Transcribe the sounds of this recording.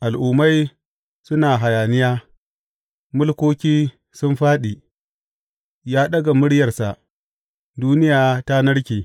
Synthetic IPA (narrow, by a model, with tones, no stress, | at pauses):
ʔa˨lʔuː˨mːa˦j | sʊ˦naː˨ɦa˨jaː˨nɪ˦jaː˦ | mʊ˦lkʷoː˦kʲiː˦ | sʊ˦mɸaː˦ɗiː˨ | jaː˦ɗɐ˦ɡa˨mʊ˦ɽjɐ˨rsa˨ʔ | duː˦nɪ˦jaː˨ta˦nɐ˦ɽkʲiː˨